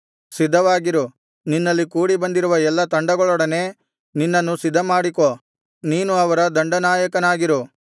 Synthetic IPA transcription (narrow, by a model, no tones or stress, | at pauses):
sid̪ʱːɐʋaːɡiɾu | ninːɐlːikuːɽibɐnd̪iɾuʋɐɛlːɐt̪ɐɳɖɐɡɐɭɔɽɐne̞ː | ninːɐnːusid̪ʱːɐmaːɽiko | niːnuɐʋɐɾɐd̪ɐɳɖɐnaːjɐkɐnaːɡiɾu